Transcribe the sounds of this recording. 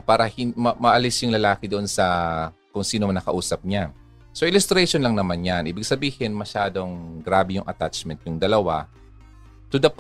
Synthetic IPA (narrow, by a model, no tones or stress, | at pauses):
paːɾɐhɪmɐmɐʔɐlɪsjʊŋlɐlaːkɪd̪oʔonsɐ | kʊŋsiːnomɐnɐkɐʔuːsɐp̚ɲa | soʔɪlʊst̪ɾɛʃonlɐŋnɐmanjanʔiːbɪɡ̚sɐbiːhɪnmɐʃaːd̪o̞ŋɡɾaːbɛjʊŋʔɐt̪at͡ʃmɛnt̪̚jʊŋd̪ɐlɐwa | t̪ʊd̪ɐp